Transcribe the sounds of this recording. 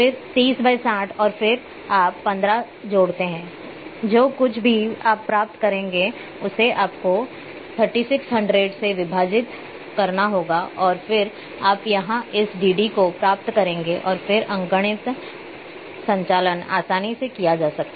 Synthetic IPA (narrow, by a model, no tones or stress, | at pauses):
fɪɾt̪iːsbʱaɪsaːʈʰɔːɾfɪɾ | aːpːɐ̃nd̪ɾa | d͡ʒoːɽt̪eɦɛ̃ː | d͡ʒoːkʊt͡ʃʰbʱiaːpːɾaːp̚t̪kɐɾẽːŋɡe | ʊseʔaːpko | t̪ʰəɾʈiːsɪksɦɐ̃ɳɖɾeɖseʋɪbʱaːd͡ʒɪt̪ | kɐɾnaɦoːɡaʔɔːɾfɪɾ | aːpjɐɦãʔɪsɖiːɖikopɾaːp̚t̪kɐɾẽːŋɡeʔɔːɾfɪɾʔɐ̃ŋɡəɽ̃ɪt̪ | sɐ̃ɲt͡ʃaːləna̰ːsaːnisekijad͡ʒaːsɐk̚t̪a